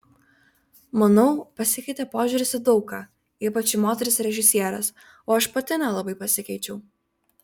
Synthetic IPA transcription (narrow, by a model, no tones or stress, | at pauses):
mɐnɐʊpɐsʲɪkʲɛɪt̪ʲɛpoːʒʲʊɾʲɪsʲɪd̪ɒʊkɑː | iːpɐt͡ʃʲɪmoːt̪ʲɛɾʲɪsɾʲɛʒʲɪsʲiɛɾɐs | oːɐʃpɐt̪ʲɪnʲɛlˠɐbɐɪpɐsʲɪkʲɛɪt͡ʃʲɛʊ